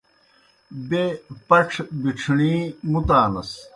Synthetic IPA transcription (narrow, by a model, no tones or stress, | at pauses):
bepɐʈ͡ʂʰbiʈ͡ʂʰɳiːmut̪aːnɐ̰s